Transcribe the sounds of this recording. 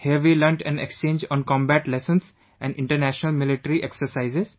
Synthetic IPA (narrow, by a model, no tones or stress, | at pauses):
hiəɾʋiːləɾɳʈɛ̃nḛkst͡ʃẽːɲd͡ʒɔ̃ːnkɔ̃ːmbæʈlɛsə̃ns | ɛ̃ɳɖɪ̃ɳʈəɾnæʃənəlmɪlɪʈəɾiʔeksəɾsaɪzɪz